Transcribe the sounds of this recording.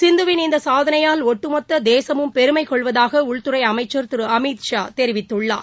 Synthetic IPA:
sɪnd̪ɯʋɪnɪnd̪ɐsaːðɐnɐjaːlɔʈːɯmɐt̪ːɐd̪eːsɐmɯmpɛɾɯmɐɪkɔɭʋɐðaːɣɐʊɭt̪ɯɾɐɪɐmɐɪt͡ʃːɐɾt̪ɪɾɯɐmiːt̪ʃaːt̪ɛɾɪʋɪt̪ːɯɭːaː

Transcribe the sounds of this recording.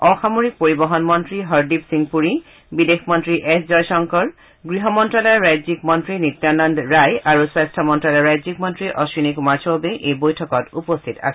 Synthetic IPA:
ɔxamoɹik̚poɹibɔɦɔnmɔntɹiɦɔɹdipsiŋpuɹi | bidexmɔntɹiʔɛszɔjsɔŋkɔɹ | ɡɹiɦɔmɔntɹalɔjɹajzikmɔntɹinit̪ːjanɔndɹajaɹuswajstʰɔmɔntɹalɔɹajzik̚mɔntɹiʔɔsɹinikumaɹsɔbeʔejbojtʰɔkɔtupɔstʰita̰s

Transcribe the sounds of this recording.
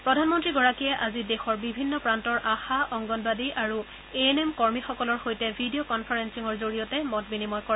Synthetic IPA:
pɹɔdʱanmɔntɹiɡɔɹakiɛʔazidɛxɔɹbibʱinːɔpɹantɔɹʔaxaʔɔŋɡɔnbadiʔaɹu | eenemkɔɹmixɔkɔlɔɹxojtɛbʱidijokɔnpʰaɹensiŋɔɹzoɹijɔtɛmɔtbinimɔjkɔɹɛ

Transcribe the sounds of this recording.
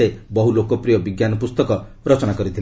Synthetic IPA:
ebɔɦulokɔpɾijɔbiɡjanɔpust̪ɔkɔ | ɾɔt͡ʃɔnakɔɾit̪ʰil

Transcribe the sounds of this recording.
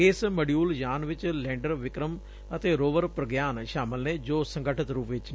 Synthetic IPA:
ɪsməɖjuːljaːnʋɪt͡ʃlɛ̃ːɳɖəɾʋɪkɾəm | ət̪eːɾoːʋəɾpɾəɡjaːnʃaːmɪlneːd͡ʒoːsə̃ŋɡəʈʰət̪ɾuːpʋɪt͡ʃ

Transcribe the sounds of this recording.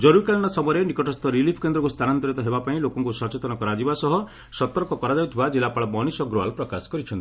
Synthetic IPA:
d͡ʒɔɾuɾikelɔɽ̃ɔsɔmɔɾenikɔʈɔst̪ɔɾilipʰkend̪ɾɔkust̪ʰanant̪ɔɾit̪ɔɦebapaĩlokɔŋkusɔt͡ʃet̪ɔnɔkɔɾad͡ʒibasɔɦɔ | sɔt̪ɔɾkɔkɔɾad͡ʒaut̪ʰibad͡ʒilapaɭɔbɔnisɔɡɾoalpɾɔkasɔ̥kɔɾit͡ʃʰɔnt̪i̥

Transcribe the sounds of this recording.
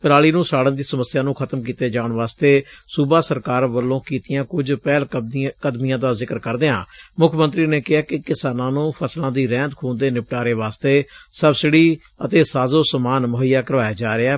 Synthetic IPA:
pəɾaːliːnũːsaːɽə̃nd̪iːsəməsːɪjaːnũːkʰət̪əmkiːt̪eːd͡ʒaːɳʋaːst̪eːsuːbaːsəɾkaːɾʋəlːõːkiːt̪ɪjãːkʊd͡ʒpɛːlkəd̪mɪjãːd̪aːzɪkəɾkəɾd̪eːã̰ːmʊkʰmə̃nt̪ɾiːneːkɪɦaːkɪkɪsaːnãːnũːpʰəslãːd̪iːɾɛ̃ːnt̪kʰoːnd̪eːnɪp̚ʈaːɾeːʋaːst̪eːsəbsɪɽiː | ət̪eːsaːzoːsəmaːnmʊɦijaːkəɾʋaːjeːd͡ʒaːɾeɛː

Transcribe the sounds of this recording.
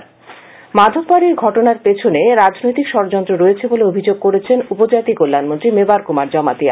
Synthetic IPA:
mad̪ʱobːaɾiɾɡʱɔʈonaɾpet͡ɕʰoneɾad͡ʑnojt̪ikʃɔɾod͡ʑɔnt̪ɾoɾoet͡ɕʰeboleobʱid͡ʑoɡ̚koɾet͡ɕʰenupod͡ʑat̪ikolːanmont̪ɾimebaɾkumaɾd͡ʑɔmat̪ia

